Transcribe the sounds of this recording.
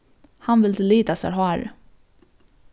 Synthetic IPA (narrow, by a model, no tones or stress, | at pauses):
hanvɪlt̪ʰɪliːt̪asa̰ɾɦɔæɾ